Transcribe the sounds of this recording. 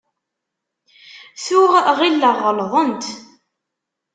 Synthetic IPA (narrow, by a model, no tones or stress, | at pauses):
θʊʁʁilːəʁːəlðˤənt̪